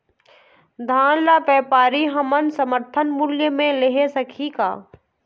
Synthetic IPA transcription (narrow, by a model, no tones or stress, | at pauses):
d̪ʱãːnlapɛːpaːɾiɦɐmənsəməɾt̪ʰənmʊljəmẽlɪɦesəkʰika̰ː